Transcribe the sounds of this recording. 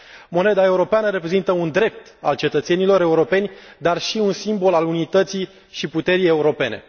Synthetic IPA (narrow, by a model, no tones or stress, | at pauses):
mo̞ned̪ae̞uɾo̞peanəɾe̞pɾe̞zint̪əund̪ɾe̞p̚t̪a̰lt͡ʃe̞t̪ət̪se̞nilo̞ɾe̞uɾo̞pe̞nʲd̪arʃiunsimbo̞lalunit̪ət̪si | ʃiput̪e̞ɾije̞uɾo̞pe̞ne̞̰